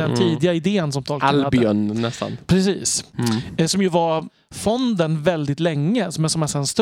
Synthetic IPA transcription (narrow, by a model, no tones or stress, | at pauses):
ɛnʰiːd̪ɪɡaɪd̪eːnsɔmt̪ʰɔːlk̪ːadbɪœnːɛst̪a̰npʰɾɛsiːs | sɔmjɵvaɾ | fɔnd̪ənvɛld̪ɪt̪lɛŋːəsɔmɛsɔmɛsɛnst̪